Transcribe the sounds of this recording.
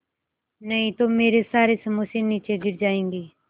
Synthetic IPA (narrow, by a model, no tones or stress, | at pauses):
nəɦĩːt̪oːmeːɾeːsaːɾeːsəmoseːniːt͡ʃeːɡɪɾd͡ʒaːẽːŋɡeː